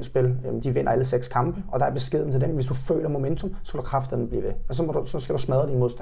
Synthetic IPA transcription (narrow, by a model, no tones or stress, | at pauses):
nsb̥e̝ld̥iʋen̰ɐæləseɡ̥skʰɑ̈mb̥əɒ̽d̥ɑ̈æɐb̥e̝sɡ̥e̝ð̰ˠn̩t͡sʰedemʋe̝sd̥ufø̰ːlɐmo̝ment͡sʰo̽msɒ̽kɑkʰʁɑ̈fd̥̩d̥emblḭːʋeɒsɒ̽mɒdusɒ̽sɡ̥æd̥usmæðˠəd̥inmo̝ð̞ˠsd̥æ